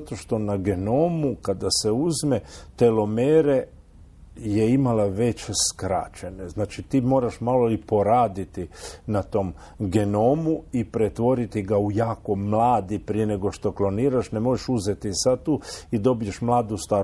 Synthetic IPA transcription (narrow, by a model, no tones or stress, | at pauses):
at̪oʃt̪o̞naɡenoːmukad̪ase̞uzmet̪elo̞meɾe | je̞imalaʋe̞t͡ɕskɾa̰t͡ʃe̞ne̞znaːt͡ʃit̪iːmo̞ːɾaʃmalolipo̞ɾaːd̪it̪inat̪o̞m | ɡe̞noːmuipɾe̞t̪ʋo̞ɾit̪iɡaujaːko̞mlaːd̪ipɾije̞ne̞ɡo̞ʃt̪o̞klo̞niːɾaʃne̞mo̞ʒeʃuzet̪isad̪̚t̪uːid̪o̞bije̞ʃmlˠaːd̪ust̪aː